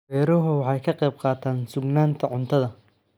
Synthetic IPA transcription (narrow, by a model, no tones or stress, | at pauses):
ɛːɾɔɦʊwɑħɑjkʰɐqɛjb̚qɑːt̪ʰaːnsʊɡnaːnt̪ʰɐʕʊnt̪ʰɐðɐ